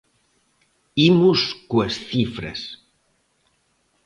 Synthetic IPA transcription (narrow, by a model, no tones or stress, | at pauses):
imuskwesθifɾḛs